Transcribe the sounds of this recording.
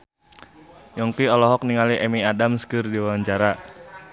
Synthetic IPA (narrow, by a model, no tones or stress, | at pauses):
jɔŋkiɔlɔɦɔk̚niŋaliʔɛmiadamskɨrdiwaaɲt͡ʃaɾa